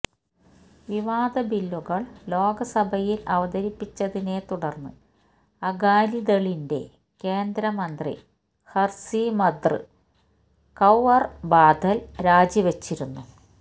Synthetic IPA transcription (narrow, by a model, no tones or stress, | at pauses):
ʋiʋaːd̪ɐbilːuɣɐɭlo̞ːɡɐsɐbʱɐjilɐʋɐd̪ɐɾipːit͡ɕːɐðine̞t̪uɽɐrnːɨ | ɐɡaːlid̪ɐɭinde̞̰ | ke̞ːnd̪ɾɐmɐnd̪rḭ | hɐrsimɐd̪rɨ̰ | kɐwɐrbaːd̪ʱɐlɾaːd͡ʑiʋet͡ɕːiɾunːu